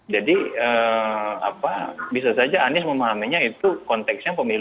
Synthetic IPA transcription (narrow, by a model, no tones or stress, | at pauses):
d͡ʒadiə | a̰pabisasad͡ʒaːnɪsməmaɦamiɲait̪ukɔnt̪ɛksjaŋpəmil